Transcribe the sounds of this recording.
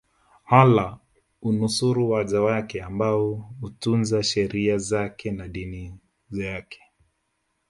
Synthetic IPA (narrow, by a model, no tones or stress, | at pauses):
hala | unusuɾuwaʄawakɛambaɔutunzaʃɛɾiazakʰɛnaɗini | zjakʰɛ̥